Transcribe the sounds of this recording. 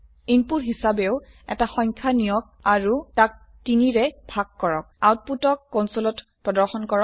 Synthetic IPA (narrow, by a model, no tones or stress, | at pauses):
inpuɹɦisabɛʊ | ɛ̰taxɔɲkʰanijɔk̚aɹutak̚ | tiniɹɛbʱaɡ̚ːɔɹɔk̚awt̚putɔkːɔwnsolɔtpɹɔdɔɹxɔnkɔɹɔk̚